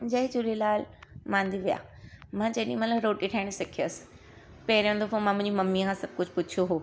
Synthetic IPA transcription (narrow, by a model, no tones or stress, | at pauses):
d͡ʑɐɦɪd͡ʑʊlilaːlmãːnd̪iʋija̰ːmãːd͡ʑɐːɗĩmɐt̪ləbɾoːʈiʈʰaːɪɽ̃sɪkʰijəsɪ̥ | pɐɪɾijõnd̪ofõmãmʊ̃ɦɪ̃ɲd͡ʑimɐmːikãsɐb̚kʊd͡ʑʱpʊt͡ɕʰijoɦoː